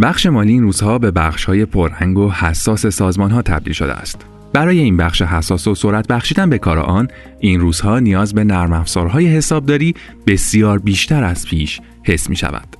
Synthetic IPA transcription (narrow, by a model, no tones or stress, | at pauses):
bæχʃe̞mɒːliːnruːz̥hɒːbe̞bæχʃhɒːje̞pʰoɾːæŋɡo̞hæsːɒːse̞sɒːzmɒːnɦɒːt̪ʰæ̰b̚d̪ḭːlʃod̪ḛæ̰st̪ | b̥æɾɒːje̞inbæχʃeɦæsːɒːsosoɾæt̪̚ʰbæxʃiːd̪ænbe̞kʰɒːɾḛʔɒn | ʔinruːz̥hɒːnijɒːzbe̞næɾmæfz̥ɒ̰ːɾɦɒːje̞ɦe̞sɒːb̚d̪ɒːɾiː | b̥e̞sijɒːɾbiːʃt̪æɾæz̥pʰiːʃ | he̞sːmḭːʃæ̰væ̰nd̪̥